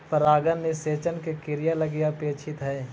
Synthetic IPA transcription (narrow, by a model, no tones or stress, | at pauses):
pəɾaːɡənːeseːt͡ʃənkekɪɾijalɐɡɪjapeːt͡ʃʰɪt̪ɦɛː